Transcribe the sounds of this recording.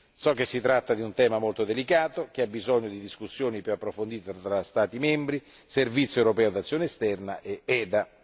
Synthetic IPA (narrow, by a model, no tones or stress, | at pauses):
sɔk̟ːesːit̪ɾat̪ːad̪iunt̪ɛːmamolt̪od̪elikaːt̪ok̟eabːizoɲːod̪id̪iskusːjoːnipjuapːɾofond̪iːt̪et̪ɾast̪aːt̪imɛmbɾi | servit̪sjoewɾopɛːod̪at̪sːjoːneest̪ɛrnaʔeɛːd̪a